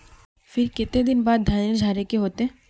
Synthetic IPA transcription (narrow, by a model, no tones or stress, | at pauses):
fʰiɾket̪ed̪inbaːd̪ːʱaneɾd͡ʒʱaɾekeɦot̪e